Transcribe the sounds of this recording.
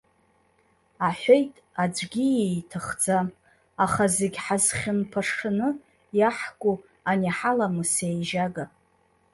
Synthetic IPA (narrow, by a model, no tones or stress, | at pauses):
aħʷejtʼ | ad͡ʒʷɡʲijejtʰɨχd͡za | aχazeɡʲħazχʲɪnpʰaʂɨnɨ | jaħkʷʼu | aniħalamusejʒaɡa